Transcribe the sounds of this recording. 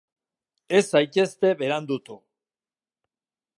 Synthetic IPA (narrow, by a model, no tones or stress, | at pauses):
e̞sajke̞st̪e̞βe̞ɾand̪ut̪u